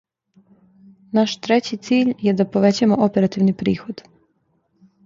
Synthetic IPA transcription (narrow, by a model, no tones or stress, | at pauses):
naʃt̪ɾe̞t͡ɕit̪siːʎjed̪apo̞ʋe̞t͡ɕaemoʔope̞ɾat̪iʋnipɾiːxo̞d̪